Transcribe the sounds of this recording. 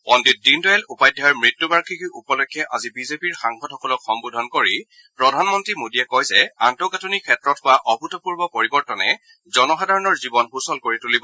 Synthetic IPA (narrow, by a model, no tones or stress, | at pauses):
pɔndit̚dindɔjalupajdʱːajɔɹmɹitːubaɹkʰikiʔupɔlɔkʰːjɛʔazibizepiɹxaŋxɔdxɔkɔlɔkxɔmbudʱɔnkoɹi | pɹɔdʱanmɔntɹimodiɛkɔjzɛantɔɡatonikʰɛtɹɔthʊaʔɔbʱutɔpuɹbɔpoɹibɔɹtɔnɛ | zɔnɔxadaɹɔnɔɹzibɔnxusɔlkoɹitulibɔ